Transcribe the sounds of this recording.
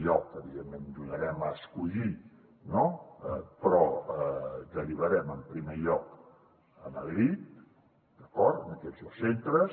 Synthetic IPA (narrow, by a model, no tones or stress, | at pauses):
ʎɔkəβiðemend̪uɣəɾɛməskuʎi | nopɾɔəd̪əriβ̞əɾɛməmpɾimeʎɔk | əməðɾit̪̚ | d̪̥əkɔɾt̪ənəkɛzəsent̪ɾəs